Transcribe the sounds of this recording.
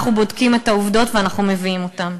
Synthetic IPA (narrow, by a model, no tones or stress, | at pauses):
χubodkimetauvdo̞tveanaχumeviimo̞tam